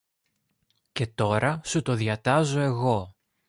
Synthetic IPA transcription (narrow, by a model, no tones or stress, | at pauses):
ce̞t̪o̞ɾɐsut̪o̞ðjɐt̪ɐzo̞e̞ɣo̞